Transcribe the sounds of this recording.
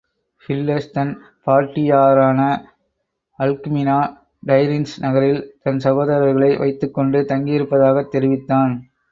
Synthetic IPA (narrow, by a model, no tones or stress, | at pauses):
fɪlːɛst̪ɐn | paːʈːɪjaːɾaːnɐ | ɐlkmɪnaː | ɖɐɪɾɪnsnɐɣɐɾɪlt̪ɐnsɐɣoːðɐɾɐɾɣɐɭɐɪʋʔɐ̰ɪt̪ːɯkːɔɳɖɯt̪ɐŋɡijɪɾɯpːɐðaːɣɐt̪ːɛɾɪʋɪt̪ːaːn